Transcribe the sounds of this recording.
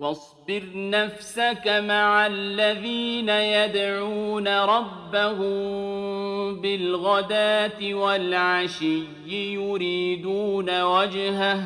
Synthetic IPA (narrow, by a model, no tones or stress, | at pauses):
wɑsˤbɪɾnafsakamaʕalːaðiːnajad̪ʕuːnaɾˤɑbːahʊm | bɪlɣad̪aːt̪ɪwalʕaʃɪjːɪjʊɾiːd̪uːnawad͡ʒɦah